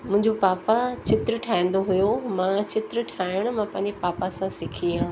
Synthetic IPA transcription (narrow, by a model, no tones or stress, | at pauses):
mʊ̃ɦɪ̃ɲd͡ʑopaːpat͡ɕɪt̪ɾəʈʰaːj̃n̆d̪oɦʊjomãt͡ɕɪt̪ɾəʈʰaːɪɪʊɽ̃̆mãpɐ̃ɦɪɲd͡ʑepaːpasãsɪkʰiãː